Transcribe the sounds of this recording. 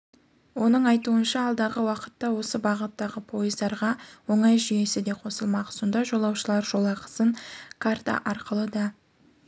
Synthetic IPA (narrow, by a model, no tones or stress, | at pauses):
wo̞nəɴɑjt̪uənʃɑːlˠd̪ɑʁəwɑqə̥t̪ːɑwo̞səbɑʁət̪ːɑʁəpʰo̞jəzd̪ɑɾʁɑwo̞ɴɑjʒʏje̞sɪd̪e̞qʰo̞səlˠmɑqso̞nd̪ɑʒo̞lˠɑwʃəlˠɑɾʒo̞lˠɑqə̥səɴkʰaɾt̪a̰ʔɑɾqəlˠəd̪ɑ